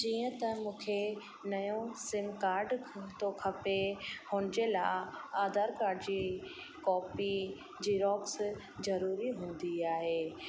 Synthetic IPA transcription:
d͡ʑiːə̃t̪ɐmũːkʰe | nɐjõsɪmkaːɾɖʰt̪okʰɐpehoːnɪd͡ʑelaɪaːd̪aːɾkaːɾɖd͡ʑiː | kɔːpi | d͡ʑiːɾɔːks | zɐɾuːɾiɦũːn̆d̪iaːɦeː

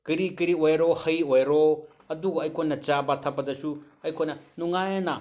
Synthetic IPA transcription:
kɐɾikɐɾiojɾohɐjojɾo | ɐduɡɐɐjkʰojnɐt͡ʃabatʰapːɐdɐsu | ɐjkʰojnɐnuŋajɐnɐ

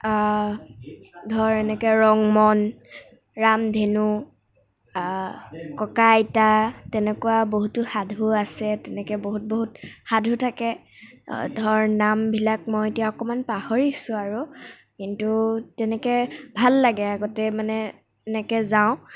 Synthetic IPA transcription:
dʱɔɹɛnɛkɛɹɔŋmɔn | ɹamdʱenu | kɔkajtatɛnɛkuwaboɦutʊxadʱuasɛtɛnɛkɛboɦut̚boɦut̚hadʱutʰakɛ | dʱɔɹnambʱilak̚mɔjetijaɔkɔmanpahoɹisʊ̃aɹu | kintutɛnɛkɛbʱalːaɡɛaɡɔtɛmanɛ | ɛnɛkɛzaʊ̃

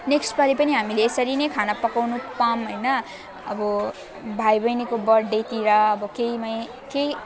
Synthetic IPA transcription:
neksʈpʌɾipʌniɦamileːsʌɾinʌjkʰanapʌkawnupamɦojnʌ | ʌ̰bʌ | bʱajbʌjnikobʌrɖet̪iɾʌʌbʌkejmaj | kej

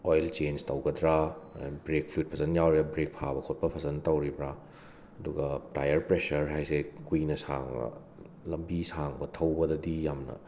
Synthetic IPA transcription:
ojlt͡ʃenstɐwɡɐdɾabɾek̚pʰlut̚pʰɐzɐnjawɾijabɾek̚pʰabɐkʰot̚pɐpʰɐzɐntɐwɾibɾa | ɐduɡɐpɾajɐɾpɾesɐɾɦajsekujnɐsa̰ŋɐ̰ | lɐmbisaŋbɐtʰɐwbɐdɐdijamnɐ̰

